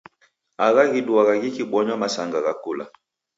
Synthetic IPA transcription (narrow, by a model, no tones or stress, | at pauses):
aɣaɣiduaɣaɣikibwɔɲɔmasaŋɡaɣakula̰